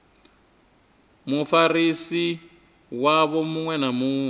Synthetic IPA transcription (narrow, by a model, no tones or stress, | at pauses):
mufarisi | waβɔmuŋwɛnamuːŋwɛ